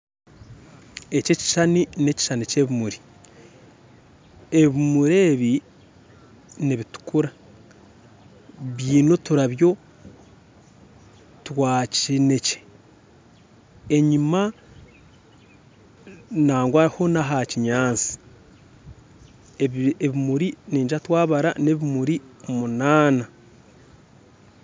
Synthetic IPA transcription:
ececi̥ʃanine̞ci̥ʃaniceβimuɾi̥ | e̞βimuɾe̞ːβi | niβitu̥kuɾa | βiːno̞tuɾaβjo̞ | twaːcine̞ce̥ | eɲima | naːŋɡwaiho̞naɦaciɲaːnt͡si̥ | eeβimuɾiniːɲʒatwaːβaɾa̰neβimuɾimunaːna

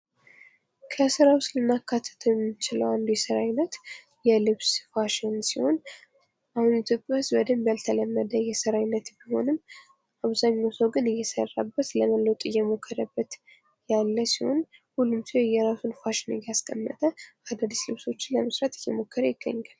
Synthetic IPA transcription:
kʰəsɨɾawslɨnːakːat̪ʰːə̥t̪ʰəjɛmːt͡ʃɪlə̰wand̪ojɛsəɾajnːət̪ | jɛlɨβsfaʃɪnsiho̞n | ʔahunɪt̪ʰjo̞pʼjahɨzbəd̪əmbjalt̪ʰələmːəd̪əjɛsəɾajnːət̪biho̞̰nɨm | ʔaβzaɲːawsəwɡɨnɨjːɛsə̰rːa̰bːət̪ləməlːəwt̪ʼɨjːɛmo̞kʰːəɾəbːət̪ | jalːəsiho̞̰nhulːumsihojɛɾasunfaʃɪnɨjːaskʼəmːət̪ʼəad̪ad̪islɨβso̞t͡ʃːɪnləməsɾat̪ɨjːɛmo̞kːəɾəjɪɡːə̰ɲːal

